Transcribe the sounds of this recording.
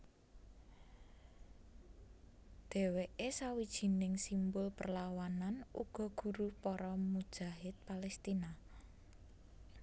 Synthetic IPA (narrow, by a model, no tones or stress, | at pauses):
d̪̥e̤weʔesawid̥ʒ̥i̤nɪŋsimbʊlpərlawananṵɡ̥ɔ̤ɡ̥ṳɾupɔɾɔmud̥ʒ̥a̤ɦɪt̪̚palɛst̪ina